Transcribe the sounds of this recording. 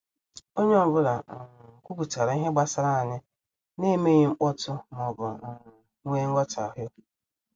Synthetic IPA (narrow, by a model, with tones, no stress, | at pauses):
o˦ɲe˦ɔ˦bʊ˦la˨kʷu˦ku˨ta˨ɾa˨i˦ɦe˦ɡ͡ba˦sa˦ɾa˦a˨ɲɪ˦ | ne˦me˦ɲɪ˦ŋ͡m̩˦k͡pɔ˦tʊ˦mɔ˨bʊ˨˦ŋʷe˦ŋ̩˦ɡa˦ta˨ɦjʊ˦